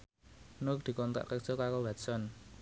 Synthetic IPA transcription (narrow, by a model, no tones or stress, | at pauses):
nʊk̚d̪̥i̤kɔnt̪a̰ʔkək̚ʒ̥okakowɛt̪sɔn